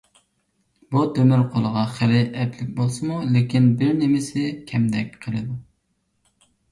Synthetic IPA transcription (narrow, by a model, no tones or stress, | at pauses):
but̪ʰømɪɾqʰolˠəʁɑχɪɾɪɛp̪lɪk̚ʲbolˠsɨmulɪkʲinbɪɾnɪmɪsɪkʲʰɛmd̪ɛkʲqʰəlˠɨd̪u